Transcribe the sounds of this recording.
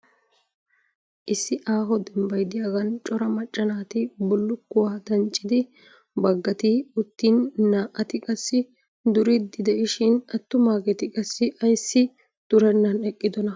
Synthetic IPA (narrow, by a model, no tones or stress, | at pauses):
ʔɪsːɪʔaːɦɔd̪ɛmbɐjd̪ɪjaːɡɐnt͡ʃʼɔɾɐmɐt͡ʃʼːɐnaːt̪ɪbɔlːʊkːʊwaːd̪ɐnt͡ʃʼːɪd̪ɪ | bɐɡːɐt̪ɪʊt̪ːinːaːʔɐt̪ɪkʼɐsːɪ | d̪ʊɾɪd̪ɪd̪ɛʔɪʃɪnɐt̪ːʊmaːkɛt̪ɪkʼɐsːɪʔɐjsːɪ | d̪̥ʊɾɛnːɐnɛkʼːɪd̪ɔnɐ